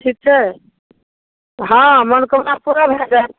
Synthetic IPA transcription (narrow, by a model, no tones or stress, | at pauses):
ʈʰik̚t͡ʃʰɛ | ɦãmənkəmnapuɾabʱɛd͡ʒat̪